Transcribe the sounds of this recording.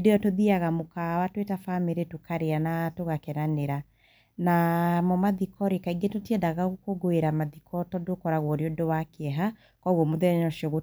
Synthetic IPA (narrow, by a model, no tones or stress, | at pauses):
dejɔtoðiaɣamokawatwetafameɾetokaɾeanatoɣakɛɾaneɾa | namɔmaðikɔɾekaiŋɡetotiɛdaɣaɣokoɡoeɾamaðikʰɔtɔdokɔɾaɣwɔɾeodowakeɛɦa | kɔɣɔmoðɛnɔʃiɔɣo